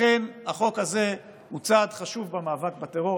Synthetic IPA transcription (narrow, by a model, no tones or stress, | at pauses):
enhaχo̞khaze̞ | hut͡sad̪χaʃuvbamaːvak̚bat̪eʁo̞